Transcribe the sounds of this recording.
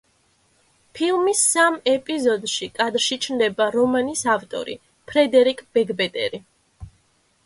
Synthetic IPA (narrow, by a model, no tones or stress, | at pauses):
pʰilˠmisːamɛpʼizɔd̪ʃikʼad̪ɾʃit͡ʃʰnd̪ɛbaɾɔmanisaft̪ʼɔ̰ɾḭ | pʰɾɛd̪ɛɾikʼb̥ɛɡbɛt̪ʼɛ̰ɾi